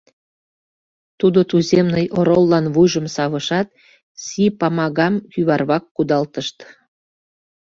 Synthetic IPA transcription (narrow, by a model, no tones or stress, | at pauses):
t̪ud̪ot̪uzemnəjʔoɾolːɑnβujʒəmsɑβəʃɑt̪̚ | sipɑmɑɣɑmkyβɑrβɑkːud̪ɑlt̪əʃt̪